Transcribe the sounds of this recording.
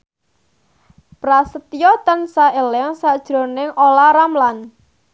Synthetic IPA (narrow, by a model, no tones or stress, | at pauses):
pɾasət̪ijɔt̪ənsaelɛŋsad̥ʒ̥ɾo̤nɪŋolaɾamlan